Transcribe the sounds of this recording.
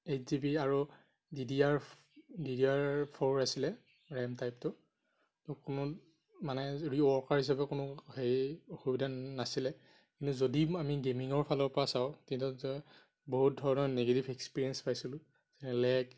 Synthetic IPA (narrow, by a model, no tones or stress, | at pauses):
et͡ʃzibiaɹu | didiaɹ | didiaɹpʰɔɹasilɛ | ɹɛmtajp̚tʊ | tɔkʊnʊ | manɛɹiɔɹkaɹhis̬abɛkʊnʊhejxubidanasilɛ | kintuzodiamiɡemiŋɔɹpʰalɔɹpɔɹasaʊtintutɔ | boɦut̚dʱɔɹɔnɔneɡetibekspiɹiɛnspajsilʊ̃ | zɛnɛlɛk